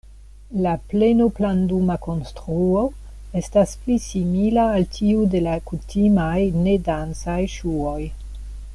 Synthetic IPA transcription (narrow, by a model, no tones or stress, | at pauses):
laplenoplandumako̞nstɾuo̞ | e̞stasplisimilaːltʰiude̞lakutʰimajne̞dant͡sajʃuo̞j